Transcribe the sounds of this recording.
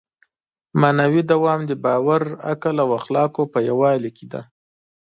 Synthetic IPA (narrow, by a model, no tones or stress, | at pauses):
manawid̪awɑmd̪əbɑwaɾa̰kalawaxlɑkopəjawɑlikid̪a̰